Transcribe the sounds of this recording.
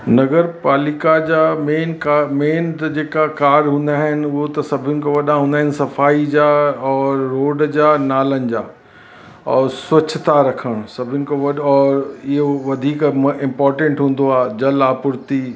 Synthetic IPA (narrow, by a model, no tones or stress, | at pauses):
nɐɡəɾpaːlikad͡ʑaːmeːnkameːnt̪ɐd͡ʑeːkakaːɾɦũːnd̪aːɦɪnɪ̆ʊɦot̪ɐsɐbʱɪnɪ̆koʋɐɗãɦũːnd̪aːɦɪnɪ̆sɐfaːid͡ʑaːɔːɾːoːɖd͡ʑaːnaːlənɪ̆d͡ʑaː | ɔ̰ːɾswɐt͡ɕʰt̪aɾɐkʰəɽ̃sɐbʱɪnɪ̆koʋɐɗɔːɾɪɦoʋɐd̪ʱiːkɪ̃mpɔːɾʈẽɳʈɦũːn̆d̪oaːd͡ʑɐlaːpʊɾt̪i